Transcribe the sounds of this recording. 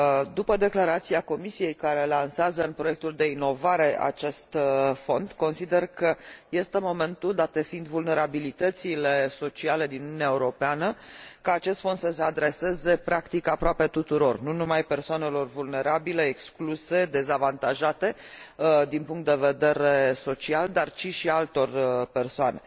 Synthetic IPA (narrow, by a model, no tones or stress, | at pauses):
d̪upəd̪e̞klaɾat̪siako̞misije̞jkaɾe̞lanseazəɨnpɾoje̞k̚t̪uld̪e̞ino̞vaɾe̞ʔa̰t͡ʃe̞st̪fo̞nd̪ko̞nsid̪e̞rkəje̞st̪emo̞me̞nt̪uld̪at̪efind̪vulne̞ɾabilit̪ət̪sile̞so̞t͡ʃiale̞d̪inununʲaeuɾo̞peanəkəːt͡ʃe̞st̪fond̪səse̞ad̪ɾe̞se̞ze̞pɾakt̪ikapɾoape̞t̪ut̪uɾo̞rnunumajpe̞rsoane̞lo̞rvulne̞ɾabile̞ːkskluse̞d̪e̞zavant̪aʒat̪e̞ | d̪inpuŋkt̪d̪e̞ve̞d̪e̞ɾeso̞t͡ʃiald̪art͡ʃiʃialt̪o̞rpe̞rsoane̞